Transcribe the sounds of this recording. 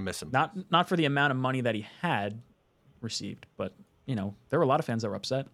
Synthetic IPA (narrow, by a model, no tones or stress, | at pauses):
mɪsmnət̚ⁿnətfə˞ðiɨmãʊ̃ɾ̃ʌvmʌɾ̃iðɨt̚hiɨd̚ | ɹɨsḭvdb̥ʌt̚ | jɨñoʊðə˞wə˞əlɔɾʌv̥fæ̃nzðət̚wə˞ʌpsɛt̚